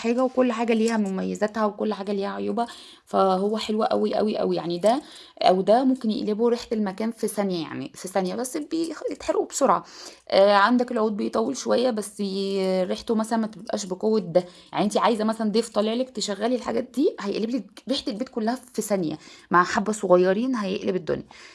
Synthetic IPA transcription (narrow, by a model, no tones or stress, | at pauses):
ħaːɡæwekolːħaːɡæliːhæmomæjːezæt̪hæwekolːħaːɡæliːhæʕojuːbæ | fæhowːæħelwæʔæ̰wiʔæ̰wiʔæ̰wija̰ʕnid̪æ | ʔæ̰wd̪æmomkenjḛʔleboɾiħt̪elmækæːnfisænjæja̰ʕnḭfisænjæbæsːbejet̪ħeɾʔubsoɾʕa̰ʔæʕand̪ækelʕuːd̪̚bejt̪ˤɑwːelʃowæjːæbæsːɾeħt̪omæsælænmæt̪ebʔæ̰ːʃbeqowːet̪̚d̪æjaʕniʔent̪iʕaːjezæmæsælænd̪eft̪ˤɑleʕlækt̪eʃæɣːæːlilħaɡæːt̪̚d̪iːhæjeʔlebliɾeːħt̪elbiːt̪̚kolːæhæfisænjæ̰maʕħabːæsˤoɣɑjːɑɾiːnɦæjḛʔlebed̪ːo̰njæ